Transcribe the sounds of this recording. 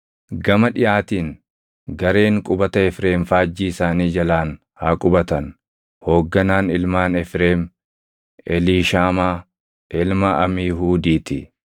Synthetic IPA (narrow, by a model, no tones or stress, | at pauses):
ɡɐmɐᶑɪʔaːt̪iːŋ | ɡɐɾe̞ːŋkʼʊbɐt̪ɐɛfɾe̞ːmfaːd͡ʒːiːɪsaːniːd͡ʒɐlaːn | haːkʼʊbɐt̪ɐn | hoːɡːɐnaːnɪlmaːnɛfɾeːm | ɛliːʃaːmaː | ʔɪlmɐʔɐmiːɦuːd̪iːt̪ɪ